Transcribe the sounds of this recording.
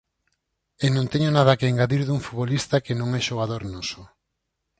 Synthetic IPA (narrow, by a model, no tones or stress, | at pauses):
enõnt̪ɛɲonað̞ɐkeːŋɡaðiɾðuŋfuβolist̪akenõŋɛʃoɣ̞aðoɾnoso